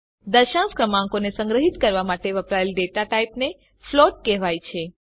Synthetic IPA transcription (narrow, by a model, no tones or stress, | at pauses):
d̪əʃãskɾəmãŋkonesə̃ŋɡɾəɦit̪kəɾʋamaʈeʋəpɾaelɖeʈaʈaipne | floʈ̚kɛʋajt͡ʃʰe